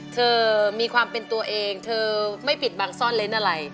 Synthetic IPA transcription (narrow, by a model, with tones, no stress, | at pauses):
t̪ʰɤː˧miː˧kʰwaː˧mpe˧nt̪u˧ɐʔeː˧ŋt̪ʰɤː˧ma˥˩jpi˨˩t̪̚baː˧ŋsɔː˥˩nle˦˥nʔa˧ɾa˧j